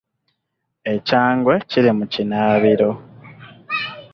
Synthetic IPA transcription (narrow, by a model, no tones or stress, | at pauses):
e̞caːŋɡwe̞ciɾimucinaːβiɾo̞